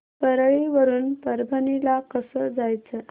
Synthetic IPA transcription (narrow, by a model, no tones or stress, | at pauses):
pəɾɭeʋəɾuːnpəɾbʱənilakəsəːd͡zajt͡sə